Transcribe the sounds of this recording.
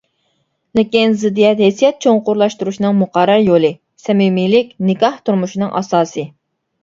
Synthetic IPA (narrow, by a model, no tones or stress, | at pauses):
lɪkʲinzɪd̪ːijɛt̪hesijɛt̪̚t͡ʃʰoŋqʊɾlˠɑʃt̪uɾuʃinɨŋmʊqɑɾːɑɾjolˠɨ | sɛmimilɪkʲnɪkɑht̪ʰuɾmuʃinɨŋʔɑ̰sɑːsɨ